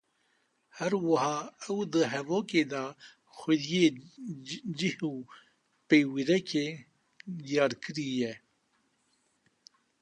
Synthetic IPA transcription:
hɛɾwɨhɑːɛwd̪əɦɛvoːkeːd̪ɑː | xʷɛd̪jeː | d͡ʒihuː | peːwiɾɛkeː | d̪ijɑːɾkɨɾijɛ

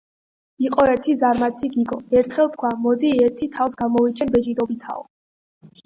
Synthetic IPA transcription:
iqʼɔɛɾt̪ʰizaɾmat̪sʰiɡiɡɔɛɾt̪ʰχɛlˠt̪̚ʰkʰwamɔd̪iɛɾt̪ʰit̪ʰafsɡamɔvit͡ʃʼʰɛnbɛd͡ʒid̪ɔbit̪ʰa̰ɔ̰

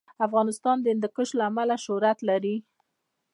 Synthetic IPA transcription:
afɣɑnɪst̪ɑnd̪əɪnd̪əkəʃlaːmalaʃʊɾat̪laɾi

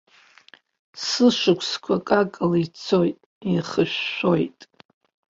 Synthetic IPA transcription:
sɨʂɨkʷʰskʷʰakʼakʼɨlit͡sʰo̞jtʼ | iχəʃᶣːo̞jtʼ

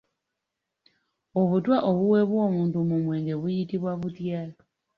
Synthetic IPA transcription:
o̞βutwaʔoβuwe̞βwo̞ːmuːntumumwe̞ːŋɡe̞βujitiβwaβutjaːlo

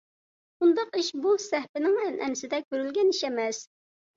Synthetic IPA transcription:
und̪ɑqiʃbusɛhpɪnɪŋɛnʔɛ̰nɪsɪd̪ɛkʲøɾylɡʲɛniʃɛmɛs

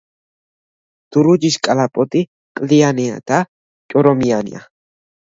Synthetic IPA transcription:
t̪uɾud͡ʒiʃkʼalapʼot̪i | kʼliania̰t̪a | kʼoɾomianḭa̰

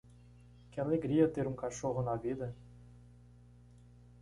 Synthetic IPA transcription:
kʲɪaleɡɾiɐt̪eɾũŋkaʃoɦʊnɐvid̪ɐ

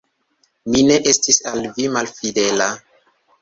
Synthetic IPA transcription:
mine̞ʔe̞stisalvimalfide̞la

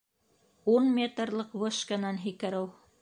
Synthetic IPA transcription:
unmʲet̪rlˠɤqvɤʃkanɑnɦikæɾɘw

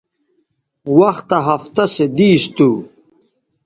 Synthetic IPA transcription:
wɐxt̪ɐɦɐft̪ɐsed̪iːst̪u

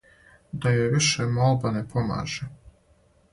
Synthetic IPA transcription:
d̪ajojʋiʃemolˠbanepʰoma̰ːʒe

